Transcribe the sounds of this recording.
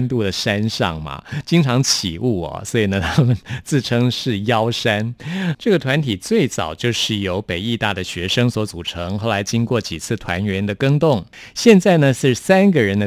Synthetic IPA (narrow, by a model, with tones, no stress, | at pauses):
nt̪u˥˩d̪ə˩ʂa˥nʂɑ̰˥˩ŋmɐ̰˩t͡ɕi˥ŋʈ͡ʂʰɑ˧˥ŋt͡ɕʰḭ˨˩u˥˩ɐ̰˩swɔ˧˥i˨˩nə˦t̪ʰa˥mə˨nt͡sɹ̩˥˩ʈ͡ʂʰɤ˥ŋʂɻ̩˥˩jɑ˥ʊʂa˥nʈ͡ʂɤ˥˩ɡə˩t̪ʰwa˧˥nt̪ʰi˨˩t͡swe˥˩ɪt͡sɑ̰˨˩ʊt͡ɕjo˥˧ʊʂɻ̩˥˩jo˧˥ʊpe˨˩ɪi˥˧t̪a˥˩d̪ə˩ɕɥɛ˧˥ʂɤ˥ŋswɔ˧˥t͡su˨˩ʈ͡ʂʰɤ˧˥ŋxo˥˩ʊla˧˥ɪt͡ɕi˥ŋkwɔ˥˩t͡ɕi˨˩t͡sʰɹ̩˥˩t̪ʰwa̰˧˥nɥɛ˧˥nd̪ə˨kɤ˥ŋt̪ʊ˥˩ŋ | ɕjɛ˥˧nt͡sa˥˩ɪnə˩ʂɻ̩˥˩sa˥nɡə˨ɻə˧˥nd̪ə˧